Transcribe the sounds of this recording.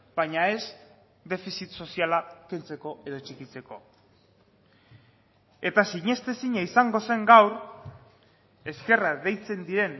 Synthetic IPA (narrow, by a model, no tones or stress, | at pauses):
b̥ajɲae̞z | d̪e̞fisit̪so̞sialakent͡se̞ko̞e̞ðo̞t͡ʃikit͡se̞ko̞ | e̞t̪asiɲe̞st̪e̞siɲaisaŋɡo̞se̞ŋɡawɾ | e̞ske̞raðe̞jt͡se̞nd̪iɾe̞n